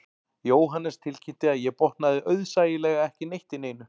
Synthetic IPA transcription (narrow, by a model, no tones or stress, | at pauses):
joːwɦanːɛst̪ʰɪlcʰɪt̪ɪaðjɛpɔht̪naðɪʔœɥðsaːjɪlɛːɣaɛhcɪnejht̪ɪneːjnʏ